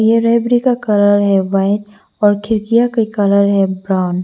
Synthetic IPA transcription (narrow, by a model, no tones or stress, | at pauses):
jeɾɛːbɾikakɐɾaːɾɦɛʋaːɪt | ɔːɾkʰɪɾkijakikɐɾaɾɦɛbɾaʊn